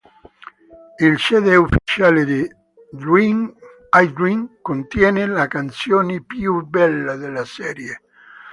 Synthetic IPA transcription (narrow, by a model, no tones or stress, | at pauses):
ilsɛːd̪eufi̥t͡ʃaːled̪i | i | ajd̪iŋkont̪jɛːnelakant̪sjoːnepjubɛlːad̪elasɛːɾje